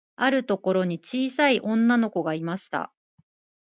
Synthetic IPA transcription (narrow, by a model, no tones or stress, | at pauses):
aɾɯ̟t̪o̞ko̞ɾo̞ɲ̟it͡ɕiːsaiʔõ̞nːano̞ko̞ɡaimaɕi̥t̪a̰